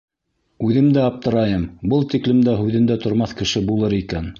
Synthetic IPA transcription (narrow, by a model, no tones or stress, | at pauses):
ʉðɘ̆md̪æɑp̚t̪ɤ̆ɾɑjɤmbɤlˠt̪iklɘ̆md̪æɦʉðɘ̆nd̪æt̪ŏɾmɑθkɘ̆ʃɘbulˠɤɾikæn